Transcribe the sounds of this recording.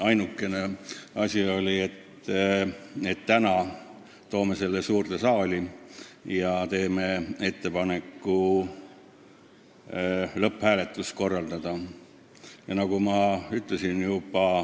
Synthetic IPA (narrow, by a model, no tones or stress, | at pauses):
ɑjnukːˑe̞ne̞ɑsʲio̞lʲie̞t̪ː | e̞t̪ːænɑ | t̪o̞ːmese̞lːesuːrt̪esɑːli | jɑt̪e̞ːme̞e̞t̪ːe̞pɑne̞kːˑu | lɤphæːle̞t̪ːˑust̪̚ko̞rːɑld̪̥ɑd̪̥ɑ | jɑnɑɡ̥umɑyt̪ːˑle̞sinjubɑ